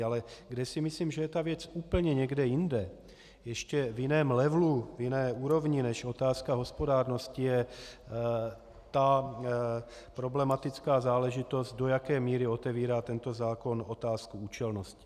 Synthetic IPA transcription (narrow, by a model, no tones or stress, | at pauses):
alɛɡdɛsɪmɪsliːmʒɛjɛt̪avjɛt͡suːpl̩ɲɛɲɛɡdɛjɪndɛ | jɛʃcɛvjɪnɛːmlɛvluvjɪnɛːuːɾo̞vɲɪnɛʃo̞t̪aːskaɦo̞spodaːɾno̞scɪjɛ | t̪a | pɾo̞blɛmat̪ɪt͡skaːzaːlɛʒɪt̪o̞st̪̚do̞jakɛːmiːɾɪo̞t̪ɛviːɾaːt̪ɛnt̪o̞zaːko̞not̪aːskuuːt͡ʃɛlnoscɪ̥